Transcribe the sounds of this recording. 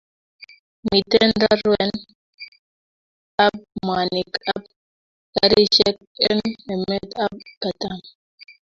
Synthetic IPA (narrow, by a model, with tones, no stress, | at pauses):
mi˨t̪ɛnɾa˦ɾwɛn | a˦b̚ma˨ni˨ka˦b | kaɾi˦ʃɛ˦k̚ɛ˦nɛ˨mɛ˦t̪a˦b̚ka˨t̪am